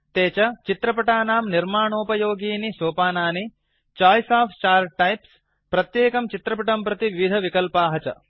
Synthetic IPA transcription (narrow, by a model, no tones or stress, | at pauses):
t̪eːt͡ʃɐt͡ʃit̪ɾɐpɐʈaːnaːmniɾmaːɳoːpɐjoːɡiːnisoːpaːnaːni | t͡ʃaːjsaːfʰt͡ʃaːɾʈɐjps | pɾɐt̪jeːkɐmt͡ʃit̪ɾɐpɐʈɐmpɾɐt̪iʋiʋid̪ʱɐʋikɐlpaːɦɐt͡ʃɐ̰